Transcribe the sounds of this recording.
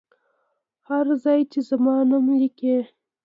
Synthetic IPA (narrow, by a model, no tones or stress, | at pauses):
haɾzɑjt͡ʃezamɑnamlike